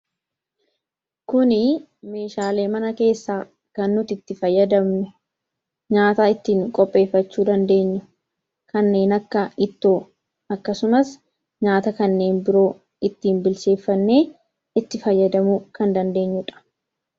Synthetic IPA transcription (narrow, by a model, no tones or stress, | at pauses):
kʊnɪ | me̞ːʃaːle̞ːmɐnɐke̞ːsːaː | kɐnːʊt̪ɪt̪ːɪfɐjːɐd̪ɐmɛ | ɲaːt̪aːɪt̪ːiːŋkʼɔpʼːe̞ːfːɐt͡ʃːuːd̪ɐnd̪e̞ːɲːʊ | kɐnːe̞ːnɐkːɐɪt̪ːoː | ɐkːɐsʊmɐs | ɲaːt̪ɐkɐnːe̞ːnbɪɾo̞ː | ɪt̪ːiːmbɪlse̞ːfːɐnːe̞ː | ɪt̪ːɪfɐjːɐd̪ɐmʊkɐnd̪ɐnd̪e̞ːɲːʊᶑɐ̥